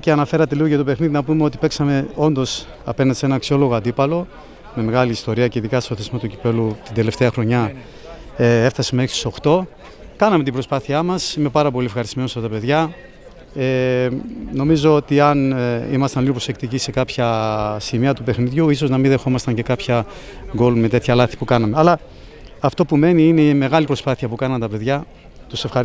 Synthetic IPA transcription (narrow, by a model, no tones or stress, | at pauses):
ceɐnɐfe̞ɾɐt̪e̞liɣoʝɐt̪o̞pe̞xniðinɐpumeo̞t̪ipe̞ksɐme̞o̞nd̪o̞s | ɐ̰pe̞nɐnd̪ise̞nɐːksio̞lo̞ɣoɐd̪ipɐlo̞ | me̞me̞ɣɐliːst̪o̞ɾiɐceiðikɐst̪oθezmot̪ucipe̞lut̪ind̪e̞le̞ft̪e̞ɐxɾo̞ɲɐ | ee̞ft̪ɐsemeeksi̥soxt̪o̞ | kɐnɐme̞t̪ibɾo̞spɐθiɐmɐsime̞pɐɾɐpo̞liefxɐɾist̪ime̞nosfɐt̪ɐpe̞ðʝɐ | e | no̞mizo̞ot̪iɐnimɐst̪ɐnlinipɾo̞sekt̪icise̞kɐpçɐsimiɐt̪upe̞xniðʝuiso̞znɐminðexo̞mɐst̪ɐɲce̞kɐpçɐ | ɡo̞lume̞t̪e̞t̪çɐlɐθi̥pukɐnɐme̞ɐlɐː | ft̪o̞pume̞niineme̞ɣɐlipɾo̞spɐθiɐpukɐnɐnt̪ɐpe̞ðʝɐ | t̪use̞fxɐɾ